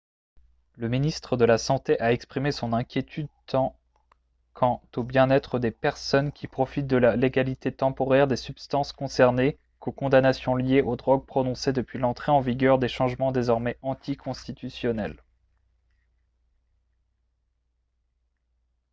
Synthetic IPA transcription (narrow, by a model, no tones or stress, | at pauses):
ləminist̪χəd̪əlasɑ̃t̪eʔaɛkspχimesɔ̃nɛ̃kʲjet̪ʰyd̪t̪ɑ̃ | kʰɑ̃t̪objɛ̃nɛt̪χəd̪epɛʁsɔnkʲipχɔfit̪̚d̪əlaleɡalit̪et̪ɑ̃pɔʁɛʁd̪esybst̪ɑ̃skɔ̃sɛʁne | kokɔ̃d̪anasjɔ̃ljeʔod̪ʁɔɡ̚pχɔnɔ̃sed̪əpɥilɑ̃t̪χeɑ̃viɡʲœʁd̪eʃɑ̃ʒmɑ̃d̪ezɔʁmɛɑ̃t̪ʰikʰɔ̃st̪it̪ysjɔnɛl